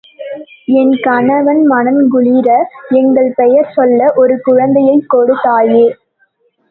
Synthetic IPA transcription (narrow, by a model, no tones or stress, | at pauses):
ɛnkɐɳɐʋɐnmɐnɐnɡʊɭiɾɐɛŋɡɐɭpɛjɐɾsɔlːɐʔɔɾɯkʊɻɐnd̪ɐjɐɪkːɔɽɯt̪ːaːjeː